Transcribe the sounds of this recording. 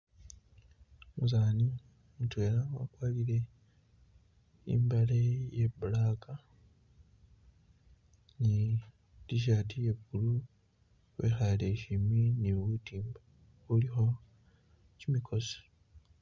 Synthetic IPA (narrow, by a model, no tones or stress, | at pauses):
muzaːni | mutwe̞ːlawa̰kwaːliɾe̞ | ḭmbalejebulaːka | ni | diʃ̬aːtije̞βulu | βwḛxaleʃiminiβutiːmba | βulixo̞ | cimikʰo̞si̥